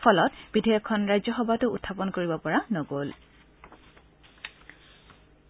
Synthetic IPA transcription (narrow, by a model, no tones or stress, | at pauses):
pʰɔlɔtbidʱejɔkʰːɔnɹajzɔxɔbʱatʊutʰːapɔnkoɹibɔpɔɹanɔɡol